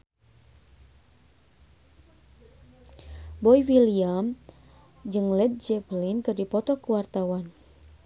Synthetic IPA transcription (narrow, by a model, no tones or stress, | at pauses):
bɔiwiliam | d͡ʒɨŋlɛd̪̚d͡ʒɛplinkɨrdipɔt̪ɔkuwart̪awan